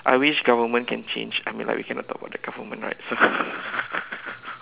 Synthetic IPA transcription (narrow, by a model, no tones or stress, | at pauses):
ʔa̰jwiʃɡavəmə̃nkʰɛ̃nt͡ʃḛ̃nd͡ʒamĩnla̰ɪkwikɛnɔ̰tːɔ̰k̚ba̰ʊdəɡ̥avəmə̃nɹa̰ɪt̚so